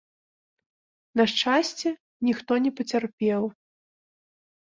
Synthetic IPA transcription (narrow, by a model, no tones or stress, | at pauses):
nɐʂt͡ʂasʲt͡sʲɛ | nʲixt̪ɔnʲɛpɐt͡sʲarpʲɛw